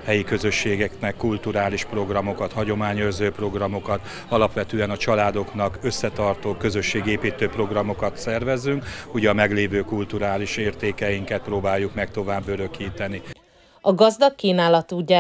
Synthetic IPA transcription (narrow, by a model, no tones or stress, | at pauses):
hɛjikø̞zø̞ʃːeːɡɛknɛkːult̪uɾaːliʃpro̞ɡrɒmo̞kɒt̪hɒɟo̞maːɲørzøːpro̞ɡrɒmo̞kɒt̪ | ɒlɒpʋɛt̪øːɛnɒt͡ʃɒlaːd̪o̞knɒkø̞sːɛt̪ɒrt̪oːkø̞zø̞ʃːeːɡeːpiːt̪øːpro̞ɡrɒmo̞kɒt̪sɛrvɛzːyŋkuɟɛɒmɛɡleːvøːkult̪uɾaːliʃeːrt̪eːkɛjiŋkɛt̪̚proːbaːjːukmɛk̚t̪o̞vaːbːø̞ɾø̞kiːt̪ɛni | ɒɡɒzd̪ɒkːiːnaːlɒt̪uɟa